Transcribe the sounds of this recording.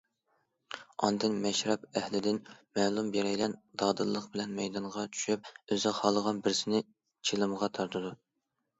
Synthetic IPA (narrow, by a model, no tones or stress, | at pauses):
ɑ̰nd̪ɨnmɛʃɾɛpɛhlɪd̪ɪnmɛːlˠumbeɾɛjlɛnd̪̥ɑːd̪ɨlˠːəqbɪlɛnmɛjd̪ɑɴʁɑt͡ʃʰy̥ʃyp̚øzɨqhɑlˠːəʁɑnbɪɾsɪnɪ | t͡ʃʰelˠɨməʁɑt̪ʰɑɾt̪ʰɨd̪u